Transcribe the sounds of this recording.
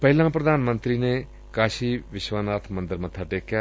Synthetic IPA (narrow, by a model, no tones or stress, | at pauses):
pəɦɪlãːpɾəd̪aːnmə̃nt̪ɾiːneː | kaːʃiːʋɪʃʋaːnaːt̪ʰmə̃nd̪əɾmət̪ʰaːʈeːkjaː